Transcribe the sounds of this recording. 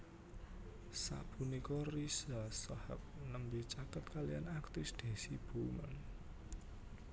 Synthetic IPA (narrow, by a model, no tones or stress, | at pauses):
sa̰ʔb̥unikɔrisasɔhə̰p̚nəmbit͡ʃakət̪̚kalijanakt̪isd̪̥e̤sib̥omə̰n